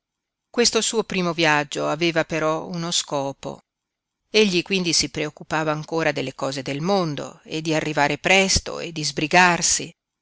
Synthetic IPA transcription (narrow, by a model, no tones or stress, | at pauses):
kwest̪osuːopɾiːmovjad͡ʒːoaveːvapeɾɔunoskɔːpo̰ | eʎːikwind̪isipɾeokːupaːvaːŋkoːɾad̪elːekɔːzed̪elmond̪o̰ḛd̪ːiarːivaːɾepɾɛst̪o̰ḛd̪ːizbɾiɡarsi